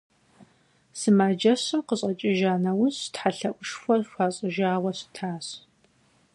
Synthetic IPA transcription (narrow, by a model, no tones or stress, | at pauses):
sɨmaːd͡ʒɐɕɨmqəɕʼɐt͡ʃʼɪʒaːnɐwʊɕtħaɬɐʔʷʊʃxʷɔrxʷaːɕʼɪʒaːwɐɕtʰaːɕ